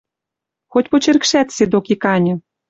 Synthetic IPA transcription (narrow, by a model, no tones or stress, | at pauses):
xotʲpot͡ɕerkʃæt̪sed̪okikɑnʲɤ̆